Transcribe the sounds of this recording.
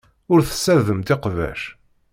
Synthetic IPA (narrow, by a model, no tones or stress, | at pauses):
ʊɾθə̥sːæðəmt̪ɪqvæ̰ʃ